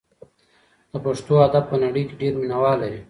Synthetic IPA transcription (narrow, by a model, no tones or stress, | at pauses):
d̪̥əpaʂt̪oad̪ab̚pənaɽəjkeɖeːɾminawɑːla